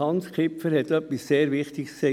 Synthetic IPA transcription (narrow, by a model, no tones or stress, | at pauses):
ɑnskʰɪpfəɾhɛt̪ːœpːisseːɾvɪχt̪ɪkskse